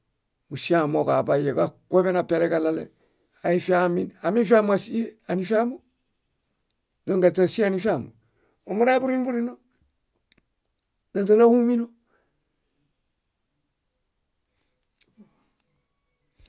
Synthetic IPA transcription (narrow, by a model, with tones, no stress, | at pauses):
mu˨si˦a˨mo˨ka˨ba˨je˨ka˨ke˦be˦na˨pe˨le˦ka˨lalḛ | a˨i˦fi˦ami˦na˨mi˦nfi˦a˦m˦a˨si˦e˦ani˦fa˦mo˦ | do˦ŋɡa˨ta˨si˦a˦ni˦fa˨mo̰˨ | o˨mu˦ɾa˦bu˦ɾi˦nbu˦ɾino˦ | da˨nta˦na˦hu˦mi˦no˦